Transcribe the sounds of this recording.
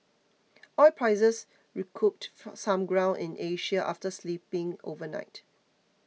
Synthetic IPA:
ʔɔlpʰɹaɪzəs | ɹikʰup̚tsãmɡɹãʊ̃nɪ̃nʔeʃəʔa̰ftəsliːpɪ̃ŋo̰vəna̰ɪt

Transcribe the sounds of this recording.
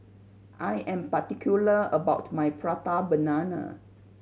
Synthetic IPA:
ʔajʔɛ̃mpatikʰjuləəbawtmajpɹatabənanə̰

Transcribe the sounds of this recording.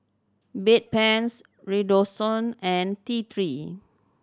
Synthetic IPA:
bet̚pɛ̃ns | ɹidosɔ̃nɛ̃ntit̪ʰɹi

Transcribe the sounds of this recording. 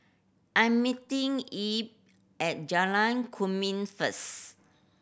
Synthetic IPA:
ʔãjmːitĩŋip̚ | ʔɛt̚d͡ʒalãnkʰumĩnfəs

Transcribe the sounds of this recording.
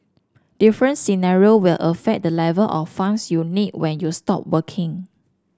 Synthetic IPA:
d̥ifɹə̃nsinaɹiowilʔəfɛk̚dəlɛvəlʔɔffãnsjunit̚wɛ̃njustɔ̰p̚wəkʰɪ̃ŋ

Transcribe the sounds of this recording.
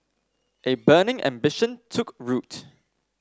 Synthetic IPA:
ʔebɜːnɪ̃ŋʔæ̰̃mbɪʃə̃ntʰʊkɹut

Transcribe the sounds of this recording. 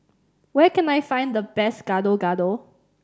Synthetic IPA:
wɛkɛ̃najfãɪ̃nd̪əbɛsɡ̥adoɡado

